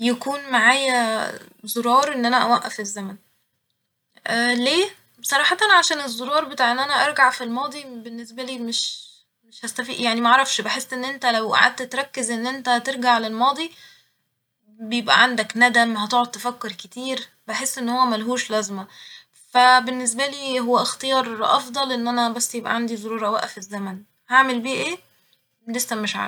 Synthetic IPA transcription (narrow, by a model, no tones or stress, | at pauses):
jækuːnmaʕaːjæ | zˤoɾɑːɾˤʔenːʔænæʔæwæʔːæ̰fezːæmæn | ʔæleː | sˤɑɾˤɑːħɑt̪ɑnʕaʃæːnezˤːoɾˤɑːɾˤbet̪aːʕʔenːʔænæʔɑɾˤɡaʕfilmɑːd̪ˤibenːesbæliːmeʃ | meʃhæst̪æfḭːʔjaʕnimæʔʕɾˤɑfʃbeħesːʔenːʔent̪ælæwʔa̰ʕa̰d̪̚t̪æt̪ɾˤɑkːezʔenːʔent̪æt̪eɾˤɡaʕlelmɑːd̪ˤi | bejebʔæ̰ʕand̪æknæd̪æmhæt̪oʕod̪̚t̪æfækːeɾket̪iːɾ | beħesːʔenːhowːæmælɦuːʃlæzmæ | fæbenːes̬bæliːɦowːæʔext̪ejɑːɾˤʔɑ̰fd̪ˤɑlʔenːʔænæbæsːjebʔæ̰ʕand̪izˤoɾuːɾˤɑwæ̰ʔæfezːæmæn | haʕmelbiːʔeː | lesːæmeʃʕa̰